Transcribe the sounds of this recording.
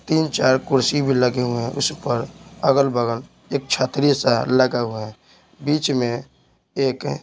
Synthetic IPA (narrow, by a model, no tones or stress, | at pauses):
t̪iːnt͡ʃaːɾkʊɾsibʱiləɡeɦuɛ̃ʔʊ̰spəɾəɡəlbəɡəl | eːk̚t͡ʃʰaːt̪ɾisaləɡaɦuɛ | biːt͡ʃmẽ | eːk